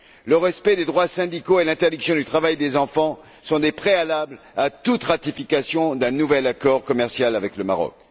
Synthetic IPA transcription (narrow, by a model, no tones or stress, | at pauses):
ləʁɛspɛd̪ed̪ʁwasɛ̃d̪ikoelɛ̃t̪ɛʁd̪iksjɔ̃d̪yt̪χavajd̪ezɑ̃fɑ̃ | sɔ̃d̪epχealabl | at̪ut̪ʁat̪ifikasjɔ̃d̪ɛ̃nuvɛlakɔʁkɔmɛʁsjalavɛkləma̰ʁɔ̰k